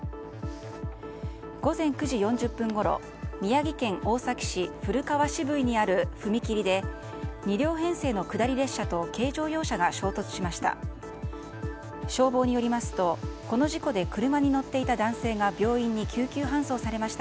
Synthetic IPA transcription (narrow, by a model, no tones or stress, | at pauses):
ɡ̥o̞zẽ̞ŋkɯ̟ʑijõ̞ɲ̟d͡ʑɨpːɯ̟̃ŋɡo̞ɾo̞̰ | mʲijaɡʲikẽ̞ŋʔo̞ːsakʲi̥ɕiɸɯ̟ɾɯ̟kaβaɕibɯ̟iɲ̟iaɾɯ̟ɸɯ̟mʲikʲiɾʲid̪e̞ | ɲ̟iɾʲo̞ːɦẽ̞ɰ̃se̞ːno̞kɯ̟d̪aɾʲiɾe̞ɕːat̪o̞ke̞ːʑo̞ːjo̞ːɕaɡaɕo̞ːt̪o̞t͡sɨ̥ɕimaɕi̥t̪a̰ | ɕo̞ːbo̞ːɲ̟ijo̞ɾʲimasɨ̥t̪o̞ko̞no̞ʑiko̞d̪e̞kɯ̟ɾɯ̟maɲ̟ino̞t̪ːe̞it̪ad̪ãɰ̃se̞ːɡabʲo̞ːĩɲ̟ːikʲɨːkʲɨːɦãɰ̃so̞ːsaɾe̞maɕi̥t̪a